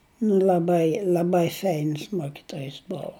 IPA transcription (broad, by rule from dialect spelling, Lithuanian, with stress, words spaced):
nʊ lʲɐˈbɐɪ lʲɐˈbɐɪ ˈfʲɛɪns ˈmoːkʲɪtoːjɪs ˈboːʋʊ